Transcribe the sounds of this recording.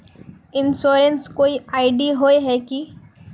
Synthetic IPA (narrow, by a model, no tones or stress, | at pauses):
ɪnsoːɾə̃nskoːiaːɪɖiɦoːeɦɛki